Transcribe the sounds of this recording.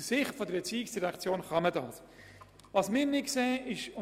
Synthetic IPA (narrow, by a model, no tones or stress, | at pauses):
sɪχtfod̪əɾbɛt͡siːɪksd̥iɾɛkt͡sjoːnχɑmədɑːs | vɑsmɪːɾnɪkseːʔɪʃʊ